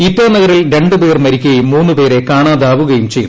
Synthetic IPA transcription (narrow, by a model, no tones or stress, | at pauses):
it̪ːɐnɐɣɐɾilɾe̞ɳɖɨbeːrmɐɾikʲːuɣɐjumːuːnːupe̞ːɾe̞kaːɳaːd̪aːʋuɣɐjumt͡ɕejːu